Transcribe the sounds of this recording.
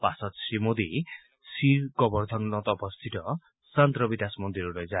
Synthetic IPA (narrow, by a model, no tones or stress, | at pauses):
pasɔt̪simod̪i | siɾɡkɔbɔɾd̪ʱɔnnɔt̪ɔːbɔst̪ʰit̪ɔ | sant̪ɾɔbid̪asmɔnd̪iɾuɾɔjd͡ʒa